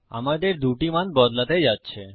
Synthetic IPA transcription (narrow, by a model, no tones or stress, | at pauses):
a̰mad̪eɾd̪uʈimanbɔd̪lat̪ed͡ʑatːɕʰe